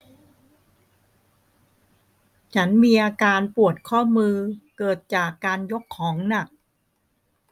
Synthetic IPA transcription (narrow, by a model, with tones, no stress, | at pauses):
t͡ɕʰa˦˥nmiː˧ʔaː˧kaː˧npu˨˩ət̪̚kʰɔː˥˩mɯː˧kɤː˨˩t̪̚t͡ɕaː˨˩kːaː˧njo˦˥kʰːɔː˩˦ŋna˨˩k̚